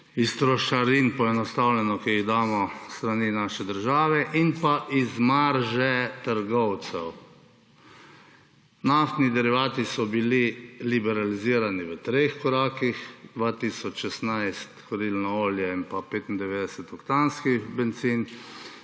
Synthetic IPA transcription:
ist̪ɾɔʃaɾinpɔɛnɔst̪awlɛnɔkiiɣd̪aːmɔst̪ɾaninaʃɛd̪əɾʒaːʋɛʔinpaʔizmaɾʒɛt̪əɾɡɔwt̪sɛw | naft̪nid̪ɛɾiʋaːt̪isɔbililibɛɾaliziːɾaniʋət̪ɾexkɔɾaːkixd̪ʋat̪iːsɔt͡ʃʃɛsnajst̪xɔɾilnɔoːljɛinpapeːt̪ind̪ɛʋeːd̪ɛsɛt̪ɔkt̪anskixbɛnt̪siːn

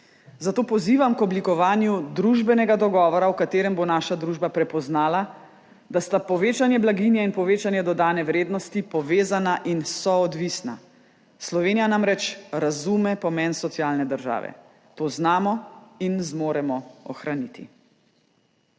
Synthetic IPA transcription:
zat̪oːpɔziːʋamkɔblikɔʋaːnjud̪ɾuʒbɛnɛɡad̪ɔɡɔːʋɔɾawkat̪eːɾɛmbonaːʃad̪ɾuːʒbapɾɛpɔznaːla | d̪ast̪apɔʋeːt͡ʃanjɛblaɡinjɛinpɔʋeːt͡ʃanjɛd̪ɔd̪aːnɛʋɾeːd̪nɔst̪ipɔʋeːzanaʔinsɔɔd̪ʋiːsna̰ | slɔʋeːnijanamɾɛt͡ʃɾazuːmɛpɔmɛnsɔt̪siaːlnɛd̪əɾʒa̰ːʋɛ̰ | t̪oːznaːmɔinzmoːɾɛmɔɔxɾanit̪ḭ

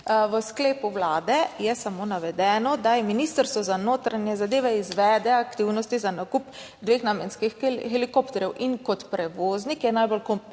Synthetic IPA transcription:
ʋəskleːpuwlaːd̪ɛjɛsamoːnaʋɛd̪ɛːnɔd̪ajɛminist̪əɾst̪ʋɔzanoːt̪ɾanjɛzad̪eːʋɛizʋɛːd̪ɛakt̪iwnɔst̪izanakup | d̪ʋeːxnamjɛnskixxɛlikoːpt̪ɛɾjɛwʔinkɔt̪pɾɛʋoːznikjɛnajbolkom

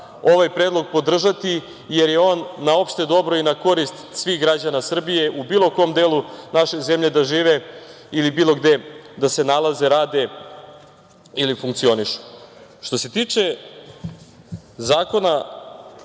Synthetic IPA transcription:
o̞ʋajpɾed̪lˠo̞ɡ̚po̞d̪r̩ʒat̪i | je̞ɾje̞o̞ːnːao̞pʃt̪e̞d̪o̞bɾo̞inako̞ɾist̪sʋiːxɡɾad͡ʑanasr̩bije̞ʔubiːlˠo̞ko̞omd̪e̞ːlunaʃe̞ze̞mʎe̞d̪aʒiːʋe̞ | ilibiːlˠo̞ɡd̪e̞d̪asenalˠaze̞ɾaːd̪e̞ | ilifuŋk̚t̪sio̞niʃu̥ʃt̪o̞se̞t̪iːt͡ʂe̞ | zaːko̞na

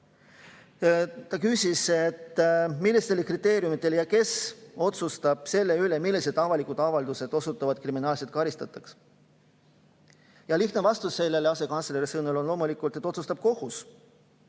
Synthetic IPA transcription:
ɑkyːsʲiset̪ːmilːist̪e̞lekrit̪ːe̞ːɾijumit̪ːˑe̞ljɑke̞so̞t̪sust̪ɑb̥se̞lːe̞ylemilːise̞d̪̥ɑvɑlikud̪̥ɑvɑld̪̥use̞d̪̥o̞sut̪ːˑɑvɑd̪̚kriminɑːlset̪̚kɑɾist̪ɑt̪ːˑɑks | jɑliht̪nevɑst̪usːe̞lːe̞leɑse̞kɑnsleɾisɤnulo̞nlo̞mulikːˑult̪ˑe̞t̪ːˑo̞t̪sust̪ɑb̥̚ko̞hus

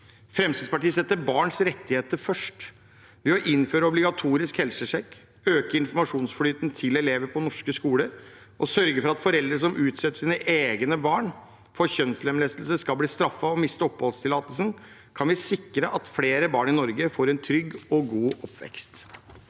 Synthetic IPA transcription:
fɾɛmsid̪spɑʈiːsɛt̪ːəɾbɑːɳsɾɛt̪ːɪheːt̪əɾfœʂʈ | ʋɛɔʔɪnføːɾəɔblɪɡɑt̪ʰuːɾɪskhɛlsəʂɛkː | øːkəɾɪnfɔɾmɑʂuːnsflyːt̪nt̪ʰɪlɛleːʋəɾpʰɔnɔʂkəskuːləɾ | ʔɔsœɾɡəɾfɔɾɑt̪fɔɾɛld̪ɾəʂɔmʔʉːt̪sɛt̪ːəʂiːnəʔeːɡnəbɑːɳ | fɔɾçœnslɛmlɛst̪lsəskɑlbliːst̪ɾɑfːɑɔmɪst̪əɔphɔlst̪ʰɪlɑːt̪əlsən | kʰɑnʋɪsɪkːɾəʔɑt̪fleːɾəbɑːɳɪnɔɾɡəfoːɾɛnt̪ʰɾʏɡːɔɡuːʔɔpʰːʋɛ̰kst̪

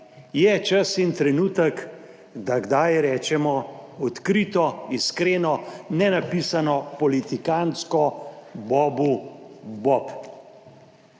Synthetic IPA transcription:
jɛt͡ʃasint̪ɾɛnuːt̪ək | d̪aɡd̪ajɾɛːt͡ʃɛmɔɔt̪kɾit̪ɔiskɾeːnɔnɛnapisanɔpɔlit̪ikanskɔbɔːbubɔp

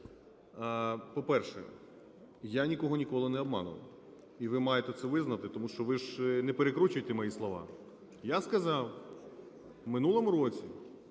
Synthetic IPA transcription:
pɔpɛrʃɛ̰ | janʲikɔɦɔnʲikɔlˠɪnɛɔbmɑ̰nʊ̰ʋɐ̰ | iʋɪmɑjet̪ɛt̪sɛʋɪznɐt̪ɪt̪ɔmuʃt͡ʃɔʋɪʒnɛpeɾekɾut͡ʃʊjt̪ɛmɔjislˠɔʋɑ̰ | jaskɐzɑw | mɪnulˠɔmuɾɔt͡sʲi

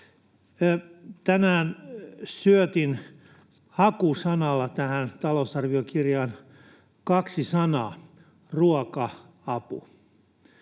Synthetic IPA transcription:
t̪ænæːnsyøt̪in | hɑkusɑnɑlːɑt̪æhænt̪ɑlosɑrʋiokirjɑːn | kɑksisɑnɑː | ruɔkɑ | ɑpṵ

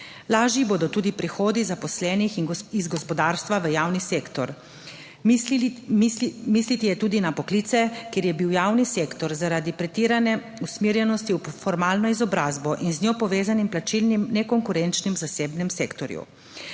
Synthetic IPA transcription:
laːʒjiboːd̪ɔt̪uːd̪ipɾixoːd̪izapɔslɛːnixiizɡɔspɔd̪aːɾst̪ʋaʋəjaːwniseːkt̪ɔɾ | mislit̪ijɛt̪uːd̪inapɔkliːt̪sɛkjeɾjɛbiwjaːwniseːkt̪ɔɾzaɾad̪ipɾɛt̪iːɾanɛ | usmiːɾjɛnɔst̪iufɔɾmaːlnɔizɔbɾaːzbɔʔinznʲjopɔʋeːzanimplat͡ʃilnimnɛkɔŋkuɾɛnt͡ʃnimzaseːbnɛmseːkt̪ɔɾjṵ

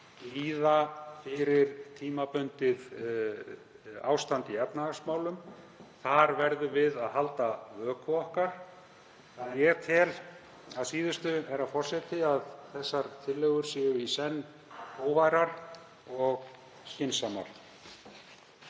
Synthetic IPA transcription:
liːðafɪɾɪɾ̥t̪ʰiːmapʏnt̪ɪð | a̰ːwst̪ant̪iɛpnaasmaːwlʏm | θaɾvɛɾðʏvɪðaðɦalt̪avœːkʰʏɔhkaɾ̥ | aðjɛt̪ʰɪl | aðsiːðʏst̪ʏɛɾafɔr̥sɛt̪ɪaðθɛsːaɾ̥t̪ʰɪlːœːɣʏɾ̥sɪʏisɛnː | hoːwvajɾaɾ̥ | ɔɣ | çɪnsama̰ɾ̥

